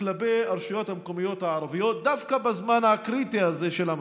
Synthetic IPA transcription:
labejaɾʃajo̞thamko̞mijo̞t̪haaɾavijo̞t̪̚d̪afkabazmanhakʁit̪iazeʃelam

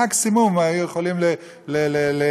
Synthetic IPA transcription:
aksimumaajujeχolimle | lelele

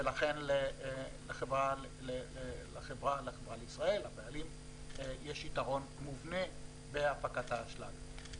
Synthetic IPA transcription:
velaχenleleχevʁa | lelaχevʁalaχevʁaleisʁae̞labealim | jeʃitaʁo̞nmuvne̞ | beafakat̪haːʃlam

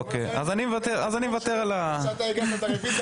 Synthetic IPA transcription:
okeja̰zanimevat̪eʁazanimvat̪eʁalat̪aeɡat̪aefi

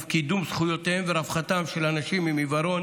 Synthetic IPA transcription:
fkid̪umsχujo̞t̪eemveɾafχat̪amʃelanaʃimimivaɾo̞n

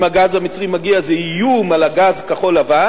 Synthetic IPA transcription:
maɡazhamit͡sʁimaɡiazeijumalaɡazkaχo̞lava

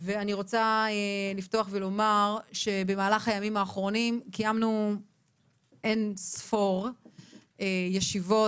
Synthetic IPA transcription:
veaniʁo̞t͡saelifto̞aχvelo̞maʁʃe̞be̞maːlaχajamimaːχʁo̞nimkijamnu | ʔe̞nsfo̞ʁ | ejeʃivo̞

